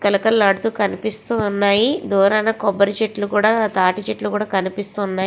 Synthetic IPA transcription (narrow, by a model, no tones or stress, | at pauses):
kɐlukɐlːɐɽut̪uːkɐnipist̪uːnːaːjid̪uːɾaːnɐkɔbːɐɾit͡ʃeʈlukuːɽaːt̪aːʈit͡ʃeʈlukuːɽaːkɐnipist̪unːaːji